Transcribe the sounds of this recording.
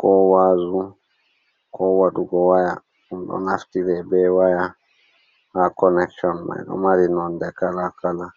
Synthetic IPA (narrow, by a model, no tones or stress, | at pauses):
kɔwaːzu | kɔwaɗuɡɔwaja | umɗɔ̰naftiɾɛbɛwaja | hakɔnɛkʃɔnma̰jɗɔ̰maɾinɔndɛkalakala